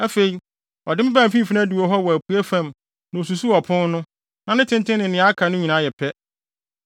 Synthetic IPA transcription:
æ˦fe˨i˨ | ɔ˨dɪ˦m˦bã˦˨m˨fĩ˦m˨fi˦nã˦du˨o˨ɦɔ˦wɔ˨æ˨pʰu˦æ˦fã˦˨m | nɪ̃˨o˨s̬u˨su˦ɔ˨pʰʊ̃˦n˦nʊ̃˦ | nã˨nɪ̃˦tʰɪ̃˦ntʰɪ̃˦nɪ̃˨nɪ̃˨ã˦kʰa˨nʊ̃˦ɲĩ˨nã˨˦jɛ˨pʰɛ˦

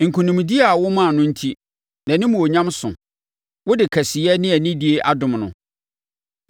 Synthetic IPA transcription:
ŋ̩˨kʰũ˨nĩ˨m˨di˦a˨a˨wʊ˦mã˦˨nʊ̃˦n̩˦tʰi˦ | nã˨nɪ̃˦mũ˨o˨ɲã˦msʊ̰̃˨ | wʊ˦dɪ˨kʰæ˨si˨ɛ˦nɪ̃˦æ˨nĩ˦di˦e˦ʔa˦dʊ̃˨mnʊ̰̃˨

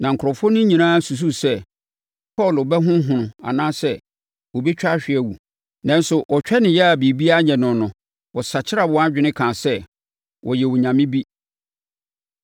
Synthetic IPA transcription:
nã˨ŋ̩kʰɾɔ˨fʊ˦nʊ̃˦ɲĩ˨nãː˦su˨s̬u˦sɛ˦ | pʰɔ˦˨lbɛ˦ɦʊ̃˦ɦʊ̃˨nʊ̃˨a̰˨nãː˦sɛ˦ | wɔ˨bi˦t͡ɕᶣa˦ɕᶣɪ˨ɛ˦wu˨ | nã˦n̩˦sʊ˨ʔɔ˨t͡ɕᶣɛ˦nɪ̃˨jɛ˦a˨bi˨bi˦a˦ɲɛ̃˨nʊ̃˨nʊ̃˨ | wɔ˨sa˨t͡ɕʰɪ˦ɾa˨wɔ̃˨˦a˦d͡ʑᶣɪ˦nɪ̃˦kʰãː˨sɛ˦ | wʔɔ˨jɛ˨wʊ˨ɲã˨mɪ̃˦bi˦

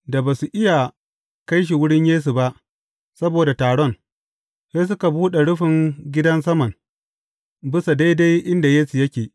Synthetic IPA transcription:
da˨baː˨su˨ʔɪ˦ja˨ | ka˦jʃ̬i˨wʊ˦ɽɪ˦ɲjeː˦s̬u˨ba˦ʔ | sɐ˦boː˨da˨taː˨ɽɔ˦n | se˦s̬ʊ˦ka˨buː˦ɗe˨ɽʊ˦ɸɪ˨ŋɡʲɪ˦dɐ˦ns̬ɐ˦mɐ˨ŋ | bɪ˦sa˨da˦jda˦jʔɪ˦nda˨jeː˦su˨jɐ˦kʲeː˨

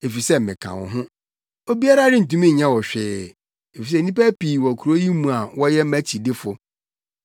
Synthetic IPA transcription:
e˨fi˨sɛ˦mɪ̃˨kʰã̰˨wɔ̰̃˨ɦʊ̃˦ | o˦bi˦a˦ɾa˦ɾɪ˦n̩˨tũ˦mĩ˦˨ɲã˦wɔ˨ɕᶣɪː˨ | fi˨s̬ɛ˦˨nĩ˦pæ˦piː˨wɔ˨kʰu˨ɾo˦ji˦mũ˨a˨wɔ˦jɛ˦mæ˦t͡ɕʰi˨dɪ˦fʊ˨

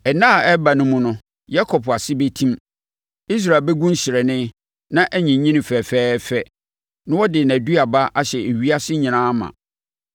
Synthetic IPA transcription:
ɛ˨nã˦˨ɛ˦ba˨nʊ̃˦mʊ̃˦nʊ̃˦ | ja˦kʰɔ˨pʰa˨sɪ˦be˦tʰĩ˦m | i˦s̬ɾa˨bɛ˦ɡũ˦n˦ɕɪ˨ɾɛ˨nɪ̃˦ | nã˦ʔɛ˦ɲĩ˨˦ɲĩ˦nɪ̃˨fɛ˨fɛː˦fɛ˦ | nʊ̃˦wɔ˦dɪ˨n˨æ̃˨du˦a˨ba˦ʔa˦ɕɛ˨e˨ɥi˦a˦sɪ˦ɲĩ˨nãː˦mã̰˨

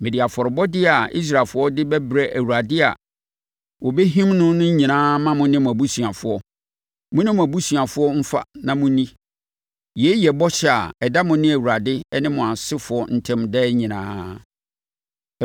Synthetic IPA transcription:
mẽ˨di˨a˨fɔ˨ɾɪ˨bɔ˦dɪ˦a˨ḭ˦s̬ɾa˨fʊ˦ɔ˦dɪ˦bɛ˦bɾɛ˨ʔæ˨wu˨ɾa˨dɪ˦a̰˨ | wɔ˨be˦ɦĩ˦mnʊ̃˦nʊ̃˦ɲĩ˨nãː˦mã˦mʊ̃˦nɪ̃˦mʊ̃˨æ˨bu˦su˨a˨fʊ˦ɔ˦ | mʊ̃˦nɪ̃˦mʊ̃˨æ˨bu˦su˨a˨fʊ˦ɔ˦m̩˦fa̰˦nã˨mʊ̃˦nĩ˦ | jɛ˨˦jɛ˨bɔ˦ɕɛ˨a̰˨ɛ˨da˦mʊ̃˨˦nɪ̃˦æ˨wu˨ɾa˨dɪ˦ɛ˦nɪ̃˦mʊ̃˨a˨sɪ˦fʊ˨ɔ˦n̩˦tʰɛ̃˦mdɛ˦ɲĩ˨nã̰ː˦

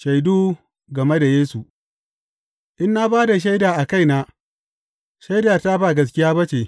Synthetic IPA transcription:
ʃa˨jduː˦ | ɡɐ˨me˦da˨jeː˦su˨ʔ | ʔɪ˦nːa˦baː˦da˨ʃ̬a˦jdaː˨ʔa˨ka˦jnaː˦ | ʃa˦jdaː˨ta˦baː˦˨ɡɐ˦s̬kʲɪ˦jaː˦bɐ˦t͡ʃeː˨

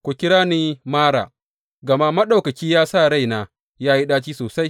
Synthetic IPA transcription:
kʷu˨kʲɪ˦ɽaː˦niː˦maː˦ɽa̰ː˨ | ɡɐ˨ma˦mɐ˦ɗa˨wkɐ˨kʲiː˦jaː˦sa˦˨ɽa˦jnaː˨ | jaː˦ji˦ɗaː˦t͡ʃiː˦soː˨sa˦j

